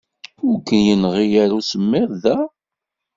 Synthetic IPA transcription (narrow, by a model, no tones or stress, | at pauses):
ʊɾkːənjənʁijæɾusəmːɪʁðæ